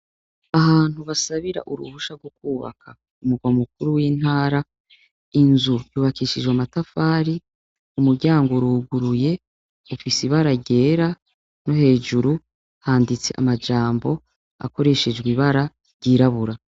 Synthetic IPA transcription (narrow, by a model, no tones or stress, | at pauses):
ahaːn̥huβasaβiɾa̰ʔuɾṵβuʃaɡwokuːβa̰kʰa | umuɡwamuk̚uɾuwiːn̥aːɾa | inzujuːβakiʃid͡ʒwamatafaːɾi | umuɾɟaːŋɡoɾuːɡuɾuje̞ | ufisiβaɾaɟe̞ːɾa | no̞he̞ːʒuɾu | haːndit͡se̞̰ʔa̰mad͡ʒaːmbo̞ | a̰ko̞ɾe̞ʃe̞d͡ʒɡwiβaɾa | ɾɟiːɾaβuɾa